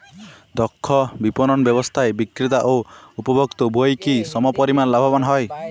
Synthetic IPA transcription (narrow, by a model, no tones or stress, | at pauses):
d̪ɔkʰːɔbipɔnɔnɔbjɔbɔst̪ʰaebikɾit̪aʔoupɔbʱɔkt̪ɔbʱojkisɔmɔpɔɾimanlabʱɔbɔnɦɔj